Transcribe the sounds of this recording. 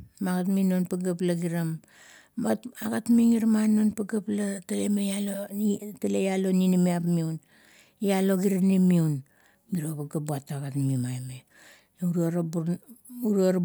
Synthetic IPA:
maɡatminonpaɡaplaɡiɾam | mataɡatmiŋiɾmanonpaɡaplatalemejalotalejalo̞ninimiapmiun | jalo̞ɡiɾanimiun | miɾoβaɡabuataɡatmimajme | uɾaɾb | uɾuaɾ

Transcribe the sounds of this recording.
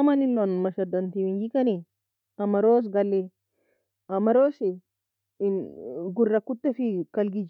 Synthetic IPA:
mɐnɪlːonmɐʃɐd̪ɐnt̪iwiŋɡikɐne | ɐmɐɾoːs̬ɡɐlːe | ɐmɐɾoːsi | ɡʊrːɐkʊt̪ːɛfikɐlɡid͡ʒ

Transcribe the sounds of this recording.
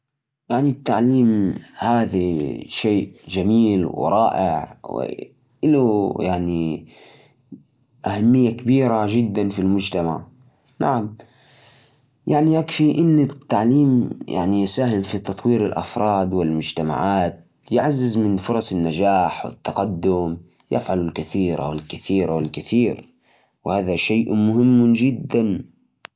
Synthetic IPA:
jaʕnit̪ːaʕliːmhaːðaʃeːʔd͡ʒamiːlw̰ɾˤɑːʔɪʕwɪ̰ | ʔɪlujaʕni | ʔahamːɪjːakabiːɾad͡ʒɪd̪ːanfilmʊd͡ʒt̪ama̰ʕ | naʕam | jaʕniʔakfiʔɪnːɪt̪ːaʕliːmja̰ʕnijɪsaːhɪmfit̪ɑt̪ˤwiːɾɪlʔɑ̰fɾˤɑːd̪wɪlmʊd͡ʒt̪ama̰ʕaːt̪̚ | jɪʕazːɪzmɪnfʊɾˤɑsˤɪnːad͡ʒaːħwɪ̰t̪ːɑqɑd̪ːʊm | jɪ̰fʕalʊlkɪθiːɾa̰wɪlkɪθiːɾawɪlkɪθiːɾ | whaːðaʃeːʔmʊhɪmːd͡ʒɪd̪ːan

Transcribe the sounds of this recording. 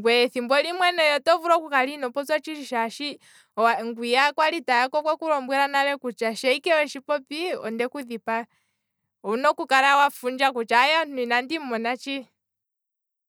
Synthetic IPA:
ŋɡwɛθimbwɔlimwɛnɔjɔtɔvuɾɔkukalinɔpɔt͡sɔt͡ʃiʃiʃaʃi | waŋɡwijakwalitajakɔkwɛkuɾɔmbwɛɾanalɛkut͡ʃaʃɛikɛwɛʃipɔpiɔ̰ndɛkuðipa | ɔnɔkukaɾawafund͡ʒakut͡ʃajɔnuinandimɔnat͡ʃi

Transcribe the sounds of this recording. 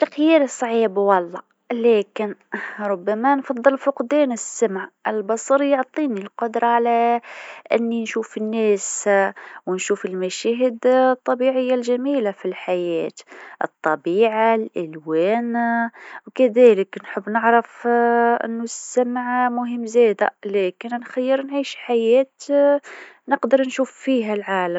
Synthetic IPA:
t̪axjiːɾsˤʕiːbwɑlˤːɑ | læːkɪnɾˤʊbːæmænfɑd̪ˤːɨlfʊqd̪æːnəsːamʕʔəlbɑsˤɑɾjoʕt̪ˤiːnilqʊd̪ɾˤɑʕalæ | ʔɪ̰nːinʃuːfɪnːæːs | wnʃuːfəlmæʃæɦɪd̪t̪ˤːɑbiʕɪjːalʒæmiːlafilħajæːt̪ʔɨ̰t̪ˤːɑbiːʕalʔɪlwæːn | wkæðæːləknħəbːnəʕɾɪfʔɪ̰nːʊsːamʕmʊɦəmːzæːd̪æ̰læːkɪnnxajːəɾnʕiːʃħajæːt̪ | nəqd̪ɑɾˤnʃuːfːiːɦælʕaːla

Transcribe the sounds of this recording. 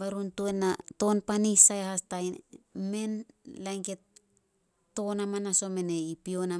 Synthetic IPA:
baɾuntuenato̞npanisajhastajnme̞nlajŋke̞t̚ː | o̞namanaso̞me̞ne̞ipio̞na

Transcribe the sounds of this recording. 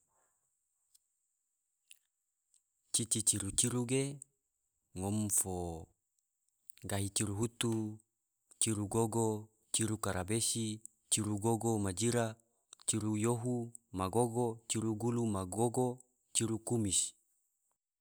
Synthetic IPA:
t͡ʃit͡ʃit͡ʃiɾut͡ʃiɾuɡe | ŋomfo | ɡaɦit͡ʃiɾuɦut̪u | t͡ʃiɾuɡoɡo | t͡ʃiɾukaɾabesi | t͡ʃiɾuɡoɡomad͡ʒiɾa | t͡ʃiɾujoɦu | maɡoɡot͡ʃiɾuɡulumaɡoɡo | t͡ʃiɾukumis

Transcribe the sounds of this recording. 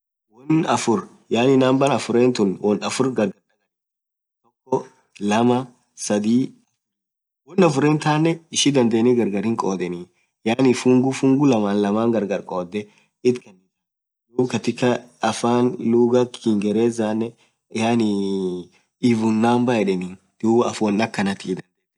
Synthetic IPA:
wɔnɐfʊɾ | jaːnɪnaːmbɐnɐfʊɾeːnt̪ʊnwɔnɐfʊɾɡɐɾɡɐɾɐkɐn | t̪ɔkːɔ | lɐmɐ | sɐd̪iː | wɔnːɐfʊɾeːnt̪aːnːɛɪʃid̪ɐnd̪eːniɡɐɾɡɐɾɪŋkʼoːd̪ɛniː | jaːnifʊŋɡʊfʊŋɡʊlɐmaːnlɐmaːŋɡɐɾɡɐɾkʼoːd̪ɛ | ɪt̪kɐn | duːbkɐt̪ɪkːɐɐfaːnluːɡɐkɪŋɡɛɾeːzaːnːɛ | jaːni | ɪbʊnːaːmbɐɛᶑɛniːn | d̪̥uːbɐɐfɔnːɐkːɐnɐt̪iːd̪ɐnd̪e

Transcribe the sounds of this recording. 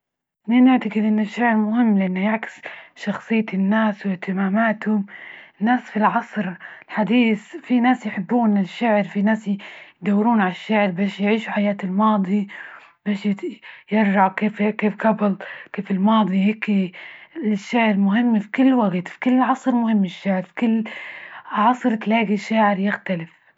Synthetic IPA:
ninɪʕt̪aɡɪd̪ʔɪnːɪʃːaʕɪɾmʊhɪmːlɪʔanːajaʕkɪ̥sʃɑxsˤɨjːt̪ɪnːaːswɪht̪ʰɪmaːmaːt̪hʊmɪnːaːsfilʕɑsˤɾɪlħad̪iːθfinaːsjħɪbːuːnɪʃːaʕɪɾfinaːsjd̪awːɪɾuːnʕalaʃːaʕɪɾbeːʃjʕiːʃuħajaːt̪ɪlmɑːd̪ˤi | b̥eːʃjjɪɾˤʒaʕkeːfkeːfɡabɪlkeːfɪlmɑːd̪ˤiheːk | ʃːaːʕɪɾmʊɦɪmːfi̥kʊlːwaɡt̪fi̥kʊlːɪlʕɑsˤɾmʊhɪmːɪʃːaːʕɪɾfi̥kʊlː | ʕɑsˤɾt̪laːɡiʃːaːʕɪɾjɪxt̪alɪf

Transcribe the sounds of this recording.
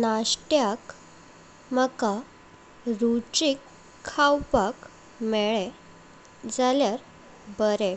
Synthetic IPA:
naɕʈjak | məka | ɾut͡ɕikʰː | awpak | mɛɭɛ | d͡zaljaɾ | bəɾe

